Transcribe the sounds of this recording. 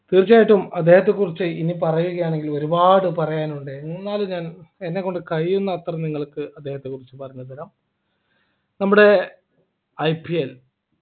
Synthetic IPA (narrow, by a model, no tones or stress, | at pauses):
t̪iːrit͡ɕːaːjiʈːumɐd̪ːeːhɐt̪ːe̞kurit͡ɕːɨinipɐrɐjuɣɐjaːɳe̞ŋɡilo̞ɾubaːɽɨpɐrɐjaːnuɳɖenunːaːlɲaːnenːekːoɳɖɨkɐjːunːɐːt̪rɐniŋːɐɭkɨɐd̪ːeːhɐt̪ːe̞kurit͡ɕːɨpɐrɐɲuːɐd̪ɐlɐm | nɐmːuɽe̞ | ɐjpiel